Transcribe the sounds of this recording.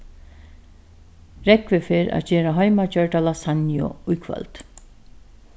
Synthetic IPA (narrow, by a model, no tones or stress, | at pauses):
ɾɛkʋɪfɪɾa̰ːceːɾaɦœjmacœɹʈalasanjɔ̰ujkʰʋœ̰lt̪